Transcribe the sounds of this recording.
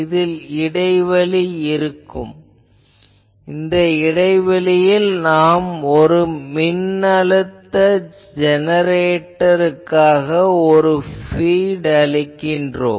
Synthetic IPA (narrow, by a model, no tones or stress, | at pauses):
ɪðɪlɪɽɐɪʋɐɭiɪɾɯkːɯ̰m | ɪnd̪ɐɪɽɐɪʋɐlɪjɪlnaːmɔɾɯmɪnːɐɭɯt̪ːɐ | d͡ʒɛnɐɾeːʈːɐɾɯkːaːɣɐɔɾɯfiːɽɐɭɪkːɪndro̰ː